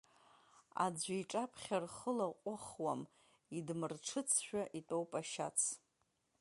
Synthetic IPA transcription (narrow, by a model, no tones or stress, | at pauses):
a̰d͡ʒʷaiʈ͡ʂʼapʰχʲarχəlaqʷʼʊχwam | idmɨrʈ͡ʂʰɨt͡sʰʃᶣaʔitʼowpʼaʃa̰t͡sʰ